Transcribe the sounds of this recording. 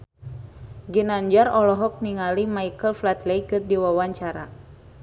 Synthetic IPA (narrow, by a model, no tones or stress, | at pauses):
ɡinaɲd͡ʒaɾɔlɔɦɔk̚niŋalimaikəlflat̪lɛjkɨrdiwawaɲt͡ʃaɾa